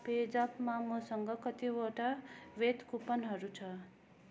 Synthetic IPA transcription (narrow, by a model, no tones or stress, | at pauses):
ped͡zʌpmamʌsʌŋɡʌkʌt̪iwoʈaʋet̪kupʌnɦʌɾut͡sʰʌ